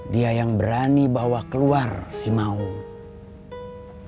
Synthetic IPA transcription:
diajaŋbəɾanibawakəluarsimau

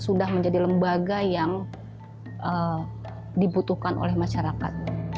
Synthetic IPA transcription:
sudahməɲd͡ʒadiləmbaɡajaŋ | ʔə | dibut̪uhkanʔo̰lɛhmaʃaɾaka̰t̪̚

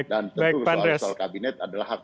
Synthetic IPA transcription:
k̚dant̪baj̚paɾɛsalkabinɛt̪adalahak

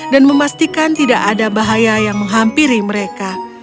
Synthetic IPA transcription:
danməmast̪ikant̪idaʔadabaɦajajaŋməŋɦampiɾiməɾeka

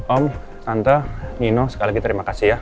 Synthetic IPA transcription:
ɔm | sant̪aninosə̥kalikit̪əɾimakasihja

